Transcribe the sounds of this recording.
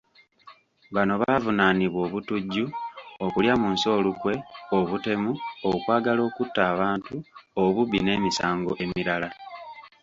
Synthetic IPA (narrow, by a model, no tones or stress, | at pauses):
βano̞βavunaːniβwo̞ːβutuɟːuokuljamunso̞ːlukwe̞o̞βute̞muokwaːɡalo̞ːkutːaːβaːntuoβuβḭne̞ːmisaːŋɡo̞̰ʔe̞miɾala